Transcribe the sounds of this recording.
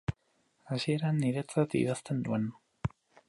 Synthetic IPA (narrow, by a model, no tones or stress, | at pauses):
asie̞ɾaniɾet͡sat̪ḭðast̪e̞nd̪uen